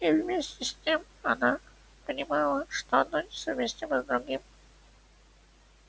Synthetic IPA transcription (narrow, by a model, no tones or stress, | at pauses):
ivmʲesʲtʲɪsʲtʲem | ɐna | pənʲɪmɑlˠəʂt̪oɐnonʲɪsɐvmʲesʲt̪ʲiməzd̪ɾʊɡʲim